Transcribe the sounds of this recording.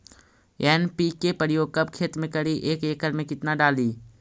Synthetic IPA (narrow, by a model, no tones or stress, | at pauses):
eːnpiːkepəɾɪjoːɡ̚kɐb̚kʰeːt̪mẽkəɽiʔeːkeːkəɾmẽkɪt̪naɖaːliː